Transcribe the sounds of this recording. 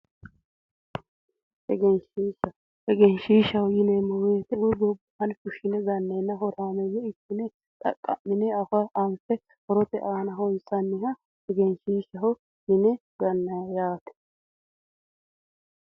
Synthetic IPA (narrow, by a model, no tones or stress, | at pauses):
hɛɡɛnʃiːʃɐ | hɛɡɛnʃiːʃɐhʊjɪnemɔweːt̪ɛwʊɡɔbhɐnkʊʃɪnɛɡɐnːeːnːɐɦɔɾaːmɛjɛɪtːɪnɛ | t̪ʼɐ̰kʼːɐ̰mːɪnɛɐfɐʔɐnfɛ | hɔɾɔt̪ɛʔaːnɐɦɔnsɐnːɪɦɐ | hɛɡɛnʃiːʃɐɦɔ | jɪnɛɡɐnːɐjaːt̪ɛ̥